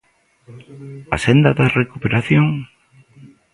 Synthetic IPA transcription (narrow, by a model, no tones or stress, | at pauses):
a̰send̪ɐðɐrekupeɾaθjoŋ